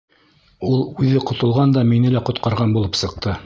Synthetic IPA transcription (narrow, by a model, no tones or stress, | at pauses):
ulˠʉðɘqŏt̪ŏlˠʁɑnd̪ɑminɘlæqŏt̪qɑɾʁɑnbulˠɤpsɤ̆q̚t̪ɤ